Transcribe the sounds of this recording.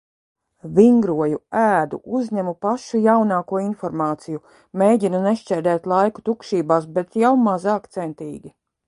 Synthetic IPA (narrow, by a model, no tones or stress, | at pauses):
viŋɡɾuɔjuæːd̪ṵʔuzɲæmupaʃujawnaːkuɔinfɔɾmaːt̪siju | meːjɟʲinunɛʃt͡ʃɛɾd̪ɛːt̪lˠajku̥t̪ukʃiːbaːs̬bɛt̪jawmazaːkt̪sɛnt̪iːɡʲi